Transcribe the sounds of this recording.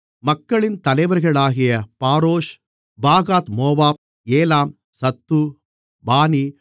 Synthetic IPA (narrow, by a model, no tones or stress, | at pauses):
mɐkːɐɭɪnt̪ɐlɐɪʋɐɾɣɐɭaːɣɪjɐpaːɾoːʂ | baːɣaːt̪moːbaːp̚ | eːlaːm | sɐt̪ːu | baːni